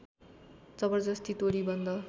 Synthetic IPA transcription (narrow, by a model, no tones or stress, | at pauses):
t͡sʌbʌrd͡zʌst̪ʰit̪oɾibʌnd̪ʌ